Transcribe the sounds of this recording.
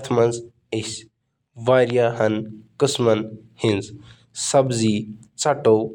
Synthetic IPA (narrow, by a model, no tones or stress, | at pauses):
t̪ʰmɐnz | is | ʋaːɾjaɦɐnkɨsmɐnhinz | sɐbzi | t͡sɐʈo